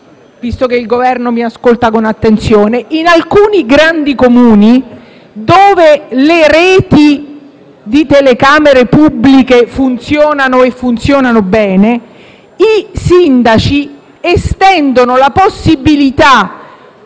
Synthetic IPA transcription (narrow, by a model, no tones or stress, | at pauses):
vist̪okeilɡovɛrnomiaskolt̪akonat̪ːent̪sjoːneʔinalkuːniɡɾand̪ikomuːni | d̪oːveleɾɛːt̪i | d̪it̪elekaːmeɾepubːlikefunt̪sjɔːnanoefːunt̪sjɔːnanobɛːne | isind̪at͡ʃi | est̪ɛnd̪onolaposːibilit̪a